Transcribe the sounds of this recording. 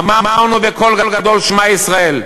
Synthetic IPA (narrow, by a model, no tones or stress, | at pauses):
mamaʁnuveko̞lɡalɡad̪o̞lʃmaisʁae̞l